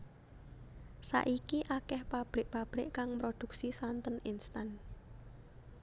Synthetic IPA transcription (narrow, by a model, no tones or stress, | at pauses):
sa̰ʔikiʔakɛhpab̥ɾɪʔpab̥ɾɪ̰ʔkaŋmɾod̪̥ṳk̚sisant̪əninst̪an